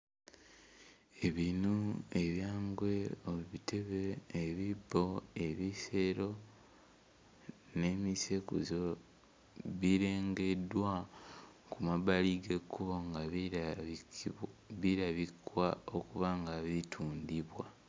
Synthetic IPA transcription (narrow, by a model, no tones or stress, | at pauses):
e̞βinue̞βjaːŋɡwe̞oβitʰe̞βeːβibo̞eβiseɾo̞ | ne̞mise̞kuzo | βiɾe̞ːŋɡe̞dwa | kumaβaliɡe̞kːuβo̞ŋɡa | βiɾaβikwaokuβaŋɡaβitʰuːndiβwa